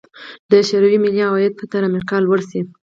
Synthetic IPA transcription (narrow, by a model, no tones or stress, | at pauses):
d̪əʃaɾawimɪliawɑjad̪̚pət̪aɾamɪɾqɑlwəɾsi